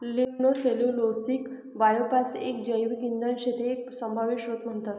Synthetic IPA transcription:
liŋnoselũlosik | bajopasḛk̚d͡ʑəjʋiɡind̪ənɕet̪eːk̚səmbʱaʋiɕɦot̪m̤əɳt̪at̪

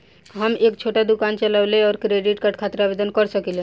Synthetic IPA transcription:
ɦəmekt͡ʃʰoʈad̪ukant͡ʃəlawleɔːɾkɾeɖiʈkaʈkʰat̪ɾaːbed̪ənkəɾsəkilẽ

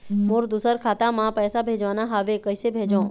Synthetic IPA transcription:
moɾd̪usəɾkʰat̪amãpəjsabʱẽd͡ʒʋanaɦaʋekəsebʱẽd͡ʒõ

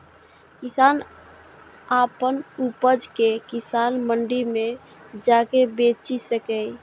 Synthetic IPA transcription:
kisan | apənupəd͡ʒkekisanməɳɖime | d͡ʒakebet͡ʃisəkɛj

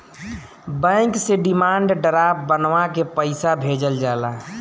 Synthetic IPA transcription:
bɛ̃ŋkseɖimaɳɖɖəɾapbənʋakepəɪsabʱed͡ʒəld͡ʒala

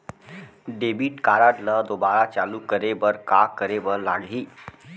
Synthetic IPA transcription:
ɖebiːʈkaɾaʈləd̪obaɾat͡ʃalukəɾebəɾkakəɾeʋəɾlaɽɦiː

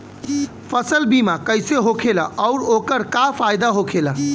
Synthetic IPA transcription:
pʰəsəlbimakəjseɦokʰelaʔɔʊɾokəɾkapʰajd̪aɦokʰela

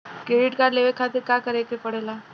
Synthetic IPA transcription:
kɾeːɖɪʈkaleʋekʰaːt̪ɪɾkakəɾekepəɽeːlaː

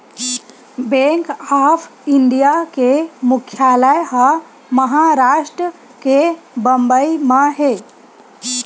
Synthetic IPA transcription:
beŋkapʰiɳɖijakemukʰːjaləjɦə | məɦaɾasʈɾə | kebəmbəimaɦe

